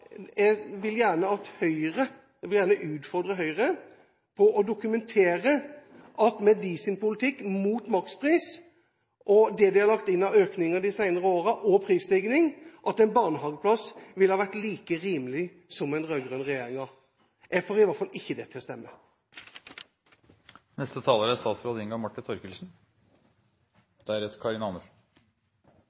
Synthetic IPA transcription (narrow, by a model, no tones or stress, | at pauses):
jɛɡʋɪljæːɳəɑt̪hœʏɾə | ɛɡʋɪljæːɳəʔʉːt̪fɔɾd̪ɾəɦœʏʁə | pʰɔʔɔd̪ʊkʉmɛnt̪ʰeːɾə | ʔɑt̪mɛd̪iːsɪnpʊlɪt̪ʰɪkːmuːt̪mɑkspʰʁiːs | ʔɔd̪ɛd̪ɪhɑɾlɑkt̪ɪnːɑøːknɪŋəd̪ɪsæɪnəʁəoːɾəʔɔpʰɾiːslɪɡnɪŋʔɑt̪ɛnbɑːnəɦɑːɡəpʰlɑsʋɪlhɑːʋæʈ̪liːkəʁiːməlɪ | sɔmɛɪnʁœɡʁønʁɛjeːɾɪŋɑʁ | jʔæɡfoːɾɪʋɑɾt̪fɑlʔɪçːəd̪ɛt̪ʰɪlst̪ɛmːə | nɛst̪ət̪ʰɑːləɾæst̪ɑːt̪sɾoːd̪əɪŋɡɑmɑʈːɪnt̪ʰɔɾkəlsn̩ | d̪̥ɛæɾɛt̪kʰɑɾɪnɑnəʂn̩